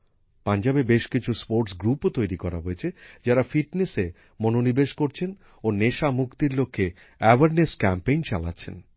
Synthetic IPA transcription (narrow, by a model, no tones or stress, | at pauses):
pand͡ʑabebeʃkit͡ɕʰuspoɾʈsɡɾupt̪ojɾikɔɾa̰ɦojet͡ɕʰed͡ʑaɾafiʈnese | mononibeʃkoɾt͡ɕʰen | oneʃamukt̪iɾlokʰːe | ɛwaɾneskɛmpejnt͡ɕala̰tːɕʰḛn